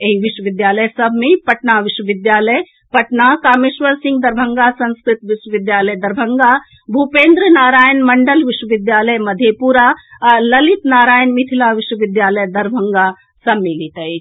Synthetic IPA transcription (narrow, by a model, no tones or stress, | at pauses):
eɦiʋiʃwəʋid̪jaːləjsɐbʱmẽpɐʈnaːʋiʃwəʋid̪jaːləj | pɐʈnaːkaːmeʃʋəɾsĩŋɡd̪ɐɾbʱɐŋɡaːsɐ̃nskɾɪt̪ʋiʃwəʋɪd̪jaːləjd̪ɐɾbʱɐŋɡaː | bʱupeːnd̪ɾənaːɾaːjənmɐɳɖəlʋiʃwəʋɪd̪jaːləjmɐd̪ʱepuɾalɐlit̪naːɾaːjənmit̪ʰilaːʋiʃwəʋid̪jaːləjd̪ɐɾbʱɐŋɡaː | sɐbmilit̪ɐi